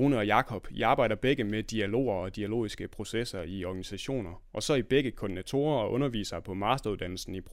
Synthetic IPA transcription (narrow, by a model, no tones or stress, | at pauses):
uːnəɒ̽jɑ̈kʰɒ̽b̥iɑ̈ːb̥ɑ̈ɪ̰d̥ɐb̥eɡ̥əmed̥iælo̝̰ːɐɒ̽d̥iælo̝̰ːisɡ̥əpʰʁo̝sesɐiɒɡ̥ænisæɕo̝̰ːnɐ | ʔɒ̽sɒ̽ib̥eɡ̥əkʰod̥inæt͡sʰo̝̰ːɐɒ̽ʔɔ̽nɐʋḭːsɐpʰɒ̽mɑ̈ːsd̥ɐuðˠd̥æn̰l̩sn̩ipʰʁ